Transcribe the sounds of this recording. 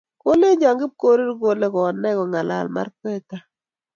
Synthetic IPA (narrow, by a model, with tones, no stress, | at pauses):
ko˦le˦ɲd͡ʒa˨ŋɡɪ˦p̚ko˦ɾi˦ɾko˨le˦kɔ˨nːɛ˦kɔ˨ŋa˨la̰˨lma̰˦ɾkɛ˦ta˦